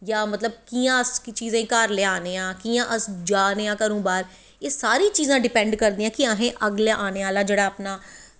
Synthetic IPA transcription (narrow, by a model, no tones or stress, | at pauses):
jaːmət̪ləb̚kiːãːəskt͡ʃiːzãːikəɾleaːneːãːkiːãːʔəsd͡ʒaːneːãːkəɾũːbaːɾ | eːsaːɾiːt͡ʃiːzãːɖɪpɛ̃ːɳɖkəɾd̪iːãːkɪaːɦẽːʔəɡlaːʔaːneːaːlaːd͡ʒeːɽaːəpnaː